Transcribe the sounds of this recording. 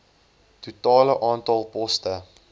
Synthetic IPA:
tutɑːləʔɑːntɑlˠpɔstə

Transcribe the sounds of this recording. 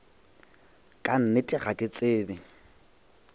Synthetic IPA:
kʼan̩nɪtʼɪχakʼɪt͡sʼeːbɪ

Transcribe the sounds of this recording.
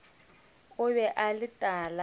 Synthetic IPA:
kʊβɛʔalitʼaːla

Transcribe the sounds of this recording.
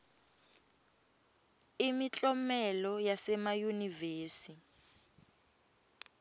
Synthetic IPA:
imit͡ɬʼɔmɛlɔjasɛmajuniveːsi

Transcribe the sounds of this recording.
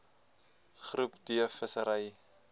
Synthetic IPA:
χrupdiəfəsəɾəj

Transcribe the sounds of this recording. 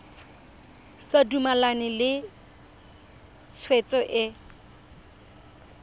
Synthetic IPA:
sadumalanɪlɪ | t͡sʰwet͡sʼɔʔɪ

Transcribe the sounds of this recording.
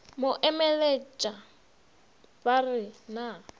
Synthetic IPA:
mʊʔɛmɛlet͡ʃʼa | barɪna

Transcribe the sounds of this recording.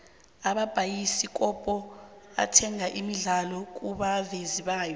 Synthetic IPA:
aɓab̥ʱajisik̬ʼɔpʼɔa̰tʰɛŋaʔimiɮalɔk̬ʼuɓaveziɓaːjɔ

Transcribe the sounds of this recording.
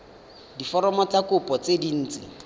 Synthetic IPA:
difɔɾɔmɔt͡sakʊpʼɔt͡sedin̩ːt͡sɪ̰

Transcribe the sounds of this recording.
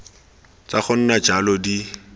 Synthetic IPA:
t͡saχʊn̩nad͡ʒalɔdi

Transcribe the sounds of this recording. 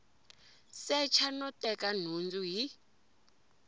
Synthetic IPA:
sɛt͡ʃʰanɔtɛkan̤und͡zuɦi

